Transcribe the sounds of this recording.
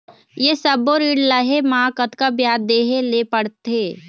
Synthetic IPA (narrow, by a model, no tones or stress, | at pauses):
jesəboɾiːɽləɦemãːkət̪kabjaːd̪d̪eːɦelepəɽt̪eː